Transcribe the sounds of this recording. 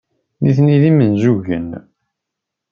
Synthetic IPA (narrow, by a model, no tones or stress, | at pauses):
niθniðimənzuʝə̰n